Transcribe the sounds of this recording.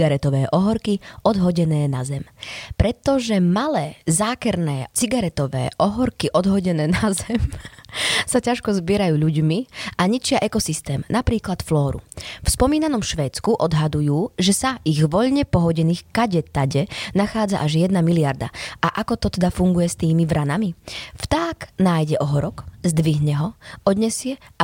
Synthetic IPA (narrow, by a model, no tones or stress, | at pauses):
ɡaɾɛt̪ɔʋɛːʔɔɦɔɾkiʔɔd̪ɦɔɟɛnɛːnazɛmpɾɛt̪ːɔʒɛmalɛːzaːkɛɾnɛːt͡siɡaɾɛt̪ɔʋɛ̰ːʔɔɦɔɾkiʔɔd̪ɦɔɟɛnɛːnazɛm | sacaʃkɔzbɪɛɾajuːʎuɟmiʔaɲit͡ʃɪaʔɛkɔsist̪ɛːmnapɾiːklat̪flɔːɾṵfspɔmiːnanɔmʃʋɛːt͡skuʔɔd̪ɦad̪ujuːʒɛsaiɣʋɔʎɲɛpɔɦɔɟɛniːxkaɟɛt̪aɟɛnaxaːd͡zaʔaʒjɛd̪namiliaɾd̪a̰ʔaʔakɔt̪ɔt̪ɛd̪afuŋɡujɛst̪iːmiʋɾʔanamift̪aknaːjɟɛʔɔɦɔɾɔkzd̪ʋiɦɲɛɦɔɔd̪ɲɛsɪɛ